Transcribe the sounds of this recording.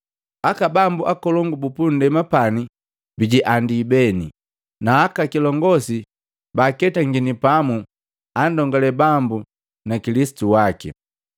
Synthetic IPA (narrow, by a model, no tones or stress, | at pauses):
akabambuʔakɔlɔŋɡubupundɛmapani | biɟiʔandibɛni | naːkakilɔŋɡɔsi | bakɛtaŋɡinipamu | andɔŋɡɔlɛbambu | nakilisi̥tuwakḭ